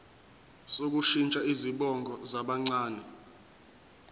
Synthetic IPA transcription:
sok̬uʃint͡ʃʼaiziɓɔŋɡʱɔzaɓaŋ͡ǀaːnɛ

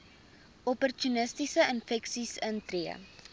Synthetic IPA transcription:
ɔpɔrtunəstisəənfɛksisəntriə̰

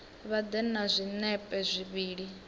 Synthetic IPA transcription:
βad̪ɛnazʷinɛpʼɛzʷiβiːɺi

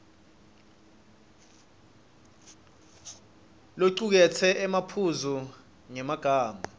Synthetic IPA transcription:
loǀuk̬ɛt͡sʰɛʔɛmapʰuzu | ŋɛmaɡ̥ʱaːma

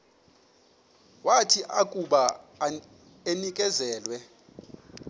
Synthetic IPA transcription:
watʰiʔakʼuɓa | enikʼɛzɛːlwɛ

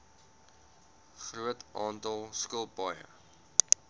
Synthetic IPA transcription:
χruətʔɑːntɐlˠskəlˠpɐjə̰

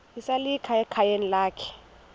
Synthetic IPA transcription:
isalikʰaɛkʰajenilaːkʰɛ̥

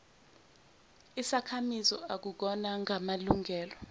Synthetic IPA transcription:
isakʰamizɔak̬uk̬ɔnaŋʱamaluŋʱɛːlɔ

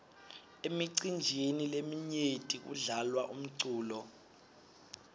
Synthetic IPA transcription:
emiǀind͡ʒʱenilemiɲetʼik̬ṵɮalwaʔum̩ǀuːlɔ

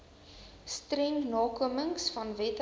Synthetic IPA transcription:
strɛŋnɑːkuəməŋsfɐnvɛt

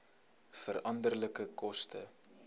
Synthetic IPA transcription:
fəɾʔɐndərləkəkɔstə̰

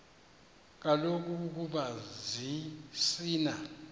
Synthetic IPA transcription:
k̬alok̬ʼuk̬uɓazisiːna

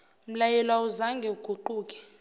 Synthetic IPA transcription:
m̩lajɛlwauzaŋɡʱɛuɡ̥ʱuǃuːkʼɛ̥

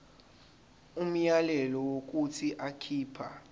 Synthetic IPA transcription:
um̩jalɛlɔwok̬ʼutʰiʔakʰiːpʰa̰

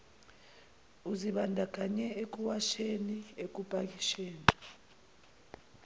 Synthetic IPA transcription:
uziɓandʱak̬ʼaɲɛek̬uwaʃeniek̬ʼupʼak̬ʼiʃeːni

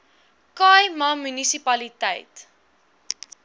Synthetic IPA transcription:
kɑjmɐmynisipɐlitɛ̰jt

